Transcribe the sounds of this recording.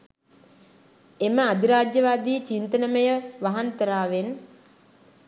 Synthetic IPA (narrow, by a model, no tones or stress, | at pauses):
eməad̪iɾaːd͡ʒjəʋaːd̪iːt͡ʃint̪ənəməjəʋaɦant̪əɾaːʋen